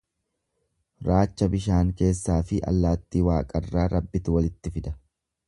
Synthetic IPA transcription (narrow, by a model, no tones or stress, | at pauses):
ɾaːt͡ʃːɐbɪʃaːŋke̞ːsːaːfɪʔɐ̰lːaːt̪ːiːwaːkʼɐrːaːɾɐbːɪt̪ʊwɐlɪt̪ːɪfɪd̪ɐ